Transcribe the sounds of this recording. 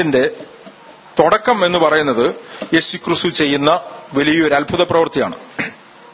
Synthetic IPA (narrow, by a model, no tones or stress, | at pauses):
inde̞ | t̪oɽɐkːɐme̞nːupɐrɐjunːɐðɨje̞ːsukːrɨst̪ut͡ɕe̞jːunːɐʋɐlijɐo̞ɾɐlbʱuðɐprɐʋɨrt̪ija̰ːɳɨ